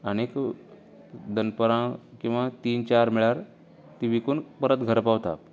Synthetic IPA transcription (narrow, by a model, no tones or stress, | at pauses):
əñek | d̪ənpəɾãkĩw̃ʋat̪iːnt͡ɕaɾmiɭaɾ | t̪iʋikuɳpəɾət̪ɡʱəɾpaʋt̪a̰p